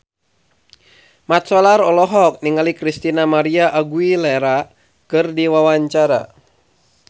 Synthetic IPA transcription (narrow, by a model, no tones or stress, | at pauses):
mat̪̚sɔlaɾɔlɔɦɔk̚niŋalikɾist̪inamaɾiaʔːɡuilɛɾa | kɨrdiwawaɲt͡ʃaɾa̰